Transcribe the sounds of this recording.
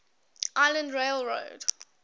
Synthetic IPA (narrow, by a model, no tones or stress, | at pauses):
ʔaɪlə̃ndɹeɪlɹo̰ʊd̥